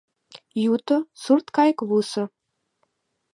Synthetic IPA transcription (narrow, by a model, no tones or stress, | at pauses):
jut̪osurt̪kɑjkβusɤ̆